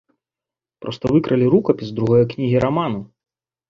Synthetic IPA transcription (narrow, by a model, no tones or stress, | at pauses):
pɾɔst̪ɐvɨkɾʔɐlʲiɾukɐpʲisd̪ɾuɣɔjɐknʲiɦʲiɾamanu